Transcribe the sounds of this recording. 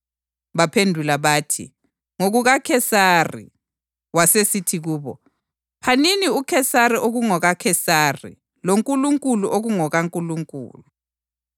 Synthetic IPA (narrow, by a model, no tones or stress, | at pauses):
βapʰendʱulaβaːtʰḭ | ŋoɣuɣakʰɛsarḭ | wasesitʰiɣuːβɔ̰ | pʰaniniukʰɛsariʔoɣuŋɔɣakʰɛsaːrḭ | loŋkʼuluŋkʼuluʔoɣuŋɔɣaŋkʼuluŋkʼṵːlu